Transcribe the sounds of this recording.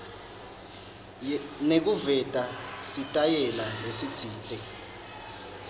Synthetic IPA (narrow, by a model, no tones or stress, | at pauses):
nek̬uvɛtʼasitʼajɛlalesi̥t͡sʰiːtʼɛ